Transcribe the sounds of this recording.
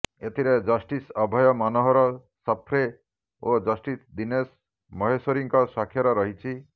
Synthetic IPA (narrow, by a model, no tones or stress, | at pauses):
et̪ʰiɾed͡ʒɔsʈisɔbʱɔjɔmanɔɦɔɾɔ | sɔpʰɾe | od͡ʒɔsʈisd̪ines | mɔɦesɔɾiŋkɔswakʰːjɔɾɔɾɔɦit͡ʃʰi